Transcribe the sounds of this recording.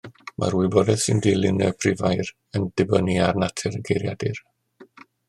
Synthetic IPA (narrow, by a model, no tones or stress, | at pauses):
mʔa̰ɾwɨbɔdɛðsɪndilˠɪnəpʰrɪvajɾ | əndɪbəniarnatʰɛɾɡejɾjadɪr